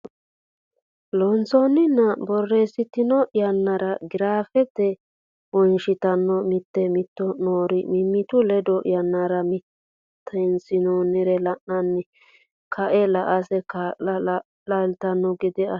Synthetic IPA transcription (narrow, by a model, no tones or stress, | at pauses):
lɔnt͡sɔnːɪnːɐbɔrːeːsɪt̪ːɪnɔʔɪjɐnːɐɾɐɡɪɾaːfɛt̪ːɛ | wɔnʃɪt̪ɐnːɔmɪt̪ːɛmɪt̪ːɔnoːɾɪmɪmːɪt̪ʊlɛd̪ɔʔɪ̰jɐnːɐɾɐmɪ | t̪ʰːɐnsɪnoːnɪɾɛlɐʔnɐnːɪ | kʰɐʔɛlɐʔɐsɛka | lɐlt̪ɐnːɔɡɪd̪ɪɐ